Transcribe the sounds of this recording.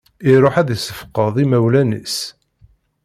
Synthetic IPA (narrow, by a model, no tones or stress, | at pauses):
iɾˤoħæðisə̥fqəðˤimæwlænḭs